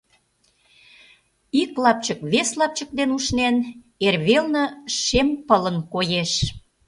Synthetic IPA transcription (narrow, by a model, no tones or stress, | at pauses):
iklɑp̚t͡ɕəkβeslɑp̚t͡ɕək̚d̪enuʃnen | erβelnə̆ʃempələnkojeʃ